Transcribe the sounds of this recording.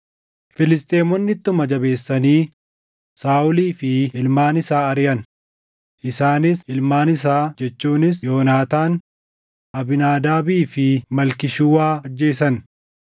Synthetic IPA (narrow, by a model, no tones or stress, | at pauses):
fɪlɪst̪ʼeːmɔnːɪt̪ːʊmɐd͡ʒɐbe̞ːsːɐniː | saːʔʊliːfɪɪlmaːnɪsaːɐɾɪjɐn | ʔɪsaːnɪsɪlmaːnɪs̬aːd͡ʒɛt͡ʃːuːnɪs̬jo̞ːnaːt̪aːn | ʔɐbɪnaːd̪aːbiːfɪmɐlkɪʃuwaːɐd͡ʒːe̞ːsɐn